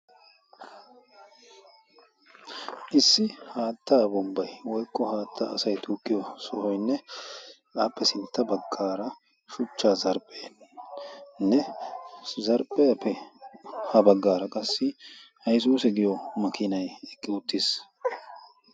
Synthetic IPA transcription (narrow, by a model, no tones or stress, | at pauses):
ʔɪsːɪhaːt̪ːaːbɔmbːɐjwɔjkʼːɔhaːt̪ʰːaːsɐjt̪ʰuːkʼːɪjɔsɔhɔjnːɛ | ʔaːpːɛsɪnt̪ːɐbɐɡːaːɾɐ | ʃʊt͡ʃːaːzɐɾpʼːeː | nːɛ | zɐɾpʼɛjɐpʰːɛ | hɐbɐɡːaːɾɐkʼɐsːɪhɐjs̬uːsɛɡɪjɔmɐkʰɪnɐjɛkʼːɪʊt̪ːɪs